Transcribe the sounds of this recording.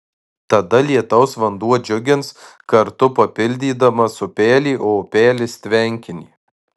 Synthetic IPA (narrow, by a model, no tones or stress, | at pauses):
t̪ɐd̪ɐlʲiɛt̪ɐʊsʋɐnd̪uɔd͡ʒʲʊɡʲɪnskɐɾt̪ʊpɐpʲɪlʲd̪ʲiːd̪ɐmɐsʊpʲæːlʲiːʔoːpʲæːlʲɪsʲt̪ʲʋʲɛŋʲkʲɪnʲḭː